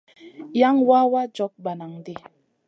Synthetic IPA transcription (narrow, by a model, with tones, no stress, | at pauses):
ja˦ŋwa˦wa˦d͡ʒɔ˨˦k̚ba˨na˨ŋdi˦˨